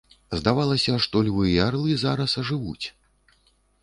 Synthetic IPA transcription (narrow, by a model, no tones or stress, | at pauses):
zd̪avalˠɐsʲɐʂt̪ɔlʲvɨjɛarlˠɨzaɾɐsɐʐɨvut͡sʲ